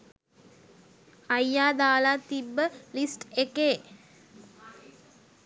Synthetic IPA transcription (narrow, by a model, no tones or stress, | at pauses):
ajːaːd̪aːlat̪ibːəlisʈekeː